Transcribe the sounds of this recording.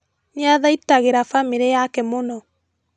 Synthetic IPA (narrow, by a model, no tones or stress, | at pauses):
ɲaðaitaɣeɾafamiɾejakɛmonɔ